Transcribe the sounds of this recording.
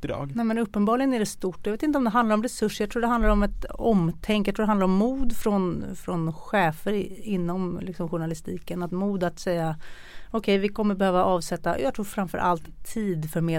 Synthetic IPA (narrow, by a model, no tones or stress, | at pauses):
ɾɑ̰ːɡnɛmɛnɵpːənbɑːlɪɡənæɖɛst̪ʊʈːɔjveːt̪ɪnt̪əɔmd̪ɛɦand̪laɾɔmɾɛsɵʂːəjɑt̪ʰɾuːɖɛɦand̪laɾɔmɛt̪ɔmt̪ʰɛŋkjat̪ɾuːɖɛhand̪aɾɔmːuːd̪fɾɔnfɾɔnɧɛːfəɾɪnːɔmlɪksɔmɧʊɳalɪst̪iːkənat̪muːd̪at̪sɛjːa | ɔkʰɛjvɪkʰɔmːəɾbɛhøːvaʔɑːvsɛt̪ːa̰jɑːt̪ʰɾuːɾfɾamfœ̰ɾʔa̰lt̪ʰːiːd̪fœɾmeː